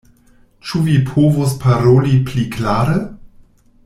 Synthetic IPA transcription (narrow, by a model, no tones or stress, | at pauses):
t͡ʃuvipʰovospʰaɾolipliklaːɾe